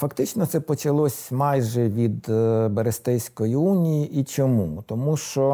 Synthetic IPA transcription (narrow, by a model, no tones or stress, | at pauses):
fɐkt̪ɪt͡ʃnɔt̪sɛpɔt͡ʃɐlˠɔsʲmɑjʒɛʋʲid̪bɐɾest̪ɛjsʲkɔjiunʲijiʔit͡ʃɔmut̪ɔmuʃt͡ʃɔ